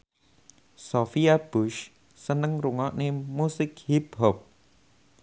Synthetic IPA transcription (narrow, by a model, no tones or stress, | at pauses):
sofiab̥uʃ | sənəŋruŋɔʔnemusɪkhip̚hɔp̚